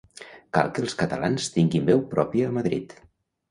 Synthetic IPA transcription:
ka̰lˠkəːlˠskət̪ə̰lanst̪iŋɡimbɛwpɾɔpiəːməðɾḭt̪

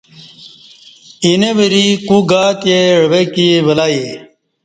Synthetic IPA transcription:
ineʋeɾikuɡaːt̪eɻɐbekiʋɐlaːi

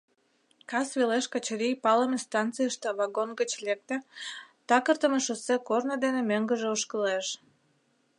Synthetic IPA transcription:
kɑsβeleʃkɑt͡ɕeɾijpɑləmest̪ɑnt̪t͡sɨjəʃt̪eβɑɡonɡət͡ɕlek̚t̪ĕt̪ɑkərt̪əmeʃosekornod̪enemøŋɡəʒeoʃkəleʃ

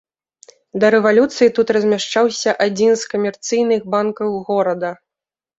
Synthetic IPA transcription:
d̪ɐɾɛvalʲut̪sɨjit̪ut̪rɐzʲmʲaʂt͡ʂawsʲɐʔad͡zʲinskɐmʲɛrt̪sɨjnɨxbankɐwɣɔɾɐd̪ɐ

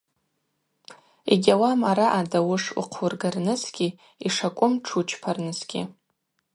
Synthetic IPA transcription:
ḛɡʲawamaɾaʔadawʊʂṵqʰurɡarnɨsɡ̥ʲi | iʂakʷʼʊmʈ͡ʂʰut͡ʃʰpʰarnɨsɡ̥ʲḭ

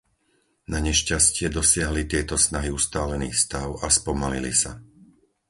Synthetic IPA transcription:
naɲɛʃcascɪɛd̪ɔsɪaɦlit̪ɪɛt̪ɔsnaɦiust̪aːlɛnḭːxfst̪aʊaspɔmalilisa

